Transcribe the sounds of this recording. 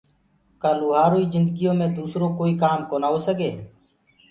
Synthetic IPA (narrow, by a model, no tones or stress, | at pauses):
kaːluːɦaːɾoːiːzɪ̃nd̪əɡɪjõːmẽːd̪uːsɾõːkoːiːkaːmkoːnaːoːsəɡeː